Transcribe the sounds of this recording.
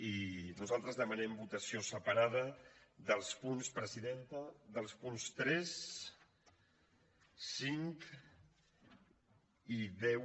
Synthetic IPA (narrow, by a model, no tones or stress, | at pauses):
inuzalˠt̪ɾəzðəmənɛmbut̪əsiosəpaɾað̞əðəlˠspunspɾəziðent̪əðəlˠspunst̪ɾɛs | siŋk | iðɛw